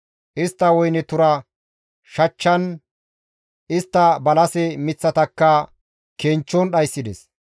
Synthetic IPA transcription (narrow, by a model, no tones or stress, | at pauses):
ʔɪst̪ːɐwɔjnɛt̪ʊɾɐ | ʃɐt͡ʃːɐn | ɪst̪ːɐbɐlɐsɛmɪt͡sːɐt̪ɐkːɐ | keːnt͡ʃːɔnɗɐjsːɪd̪ɛs